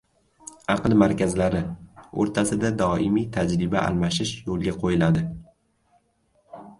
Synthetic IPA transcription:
ɑqlˠmaɾkʲazlaɾɪo̰ɾt̪ʰasɪd̪ad̪ɒɪmijt̪ʰad͡ʒɾɪbaʔa̰lˠmaʃɪʃjolˠɡʲaqʰojɪlad̪ɪ

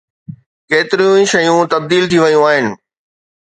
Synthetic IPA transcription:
keːt̪ɪɾijũĩʃɐjũt̪ɐb̚d̪iːlt̪ʰiʋɐjũaːɦɪnɪ̆

